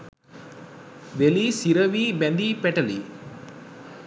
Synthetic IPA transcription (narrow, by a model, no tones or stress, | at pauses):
ʋelisiɾɐʋibend̪ipɛʈɐli